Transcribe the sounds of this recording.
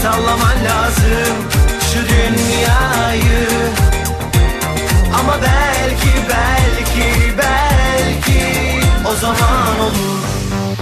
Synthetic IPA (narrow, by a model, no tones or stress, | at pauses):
sawlˠamamlʲaːzɯm | ʃud̪ynjajɯ | amabɛlʲcʰibælʲcʰibɛlʲcʰi | ozamaomuɾ